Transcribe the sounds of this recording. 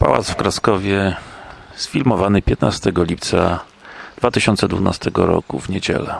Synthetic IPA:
pa̰wa̰t̪sfkɾaskɔvʲjɛ | sfʲilmɔvanɘpʲjɛt̪nast̪ɛɡɔlʲip̚t̪sa̰ | d̪̥vat̪ɘɕɔnt̪sɛd̪vuna̰st̪ɛɡɔɾɔ̰kuvɲed͡ʑɛ̰lɛ

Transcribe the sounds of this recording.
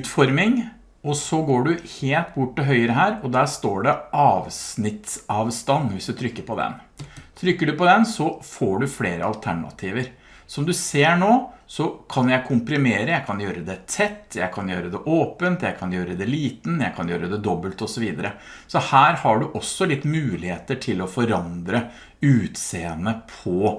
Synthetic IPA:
ʉːt̪fɔɾmɪŋ | ɔsɔɡoːɖʉheːlt̪bʊʈːɪɦœʏəɾəɦæːɾɔd̪æːʂt̪oːɖɛʔɑːʋsnɪt̪sɑːʋst̪ɑnːʋɪsd̪ʉt̪ʰɾʏkːəɾpʰɔd̪ɛ̰nt̪ʰɾʏkːəɖʉpɔd̪ɛnsɔfoːɖʉfleːɾəɑlt̪ʰæɳɑ̰t̪ʰiːʋəɾ | sɔmd̪ʉseːɳoːsɔkʰɑnjæɪkʰʊmpɾɪmeːɾəjæɪkʰɑnjøːɾəd̪ɛt̪ʰɛt̪ːjæɪkʰɑnjøːɾəd̪ɛʔoːpənt̪jæɪkʰɑnjøːɾəd̪ɛliːt̪n̩jæɪkʰɑnjøːɾəd̪ɛd̪ɔbːəlt̪ɔsɔʋiːd̪əɾəsɔhæːɾhɑɖʉʔɔsːɔlɪt̪ːmʉːlɪheːt̪əʈʰɪlɔfɔɾɑnd̪ɾə | ʉːt̪seːənəpʰɔ

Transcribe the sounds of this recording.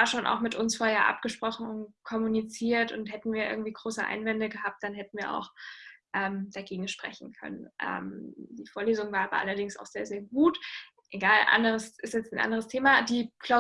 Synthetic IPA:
aːʃoːna̰ʊxmɪtʊnsfoːɐheːɐʔa̰p̚ɡ̥əʃpʁ̥ɔχn̩ʊntkʰɔmunit͡siːɐtʊnthɛtn̩viːɐʔɪ̰ɐɡŋ̩tv̥iːɡʁoːsəʔa̰ɪnvɛndəɡəɦaːp̚t̚d̥anɦɛtn̩viːɐʔa̰ʊxʔɛːmd̥aɡeːɡŋ̩ʃpʁ̥ɛ̰çn̩kʰœ̰nənʔɛ̰ːmd̥iːfoːɐleːzʊŋvaːɐaːbɐ̰ʔa̰lɐdɪŋsa̰ʊxz̥eːɐzeːɐɡuːt | ʔeɡaːlʔa̰ndəʁ̞əsʔɪstjɛt͡stnʔa̰ndəʁ̞əstʰeːmadiːkʰl̥aʊ

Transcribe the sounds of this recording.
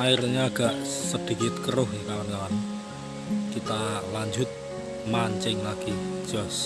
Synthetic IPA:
aiɾɲaaɡ̥a̤ʔsəd̪̥i̤kɪt̪̚kəɾʊhekamarnawan | kit̪alaɲd͡ʒʊt̪̚ | maɲt͡ʃɪŋlaɡ̥i̥ʒ̥ɔs

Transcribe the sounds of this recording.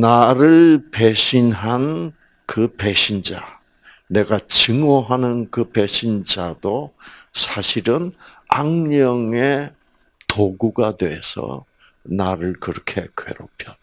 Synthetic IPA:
naɾɯɭpe̞ɕʰinɦan | kɯpe̞ɕʰind͡ʑa | ne̞ɡat͡ɕɯŋoɦanɯnkɯpeɕʰind͡ʑadosʰaɕʰiɾɯnaŋɲʌŋe̞ | toɡuɡadwesʰʌ̰ | naɾɯɭkɯɾʌkʰe̞kʰḛɾopʰjʌn

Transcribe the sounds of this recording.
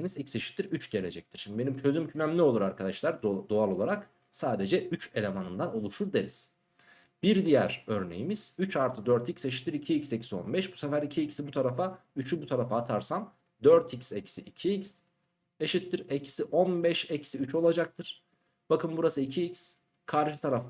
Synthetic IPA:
inizicse̞ʃi̥t̪ːiɾyt͡ʃɟe̞lʲe̞̰d͡ʒɛc̚t̪ʰiɾ̥ʃimd̪ibe̞nimt͡ʃʰø̞zymcʰymæmlʲio̞lˠuɾaɾkʰad̪aʃlˠaɾd̪d̪oalˠo̞lˠaɾak | saːd̪e̞d͡ʒɛyt͡ʃe̞lʲe̞manɯmd̪ano̞lˠuʃuɾd̪eɾʲiz̥ | b̥iɾd̪ijæ̰ɾ̥øɾne̞̰jimiz̥yt͡ʃaɾt̪ʰɯd̪øɾt̪icse̞ʃi̥t̪ːiɾicʰiicsecisio̞̰nbɛʃbusefæɾicʰiicsibut̪ʰaɾafayt͡ʃʰybut̪ʰaɾafaːt̪ʰaɾsam | d̪øɾt̪ʰicsecsiʔicʰiics | eʃit̪ːiɾecʰi̥siʔonbɛʃecsiyt͡ʃo̞lˠad͡ʒak̚t̪ʰɯɾ̥ | b̥akʰɯmbuɾasɯicʰiics | kʰaɾʃɯt̪ʰaɾaf

